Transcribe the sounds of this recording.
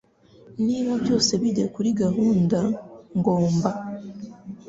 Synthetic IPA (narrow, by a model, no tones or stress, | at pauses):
niβaβjo̞ːse̞βidekuɾiɡaɦuːndaŋɡoːmba